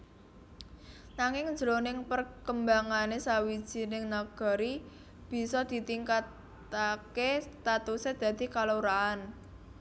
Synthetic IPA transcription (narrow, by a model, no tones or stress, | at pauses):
naŋɪŋn̥d͡ʒɾonɪŋpərkəmbaŋanesawid̥ʒ̥i̤nɪŋnaɡ̥ɔ̤ɾi | b̥i̤sɔd̪̥i̤t̪iŋkat̪ | akest̪at̪used̪̥ä̤d̪̥i̤kaloɾaːn